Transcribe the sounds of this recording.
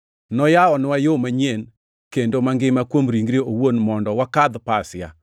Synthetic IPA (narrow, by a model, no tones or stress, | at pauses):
nɔjaɔnwajomaɲen | kendomaŋɡɪmakwomɾiŋɡɾeowonmɔndɔwakad̪pasɪja̰